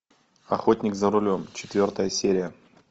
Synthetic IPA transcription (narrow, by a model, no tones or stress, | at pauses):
ɐxotʲnʲɪkzəɾʊlʲo̞mt͡ɕɪ̥t̪vʲo̞rt̪əjəsʲeɾʲɪjə